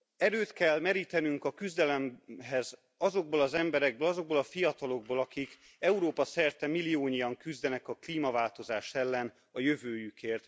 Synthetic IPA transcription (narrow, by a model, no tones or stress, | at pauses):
ɛɾøːt̪kɛlːmɛɾiːt̪ɛnyŋkɒkyzd̪ɛlɛmɦɛz | ɒzo̞ɡ̚boːlɒzɛmbɛɾɛɡ̚bøːlɒzo̞ɡ̚boːlɒfijɒt̪ɒlo̞ɡ̚boːlɒkik | ɛuɾoːpɒsɛrt̪ɛmilːijoːɲijɒŋkyzd̪ɛnɛkɒkliːmɒvaːlt̪o̞zaːʃɛlːɛn | ɒjø̞vøːjykeːrt̪